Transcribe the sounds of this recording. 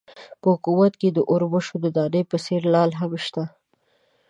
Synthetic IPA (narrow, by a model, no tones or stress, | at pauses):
pəhʊkuwat̪ked̪əʔʊɾbəʃod̪əd̪ɑɾəjpəseɾlɑlɦabʃt̪a